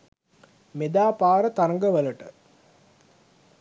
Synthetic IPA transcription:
med̪aːpaːɾət̪aɾəŋɡəʋələʈə

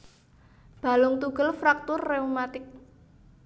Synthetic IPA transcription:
b̥a̤lʊŋt̪uɡəlfɾak̚t̪ʊrːeumat̪ɪk̚

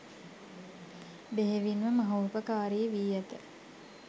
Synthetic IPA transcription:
beɦeʋinʋəmɐɦoːpəkaːɾijeʋiːjæt̪ə

